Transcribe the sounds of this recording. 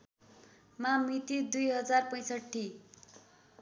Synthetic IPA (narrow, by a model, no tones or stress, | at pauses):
mamit̪id̪ujɦʌd͡zarpʌj̃sʌʈʰːi